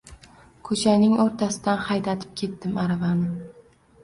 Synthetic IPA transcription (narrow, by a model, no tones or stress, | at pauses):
kʰɵt͡ʃʰanɪŋoɾt̪ʰasɪd̪anhajd̪at̪ʰɪ̥p̚kʲʰe̞t̪ːɪmaɾavanɪ